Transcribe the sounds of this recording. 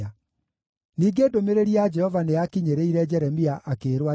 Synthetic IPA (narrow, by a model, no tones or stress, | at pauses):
a | niːɡedomeɾeɾiad͡ʒɛhɔvaneakiɲeɾeiɾɛd͡ʒɛɾɛmiaʔakeːɾwa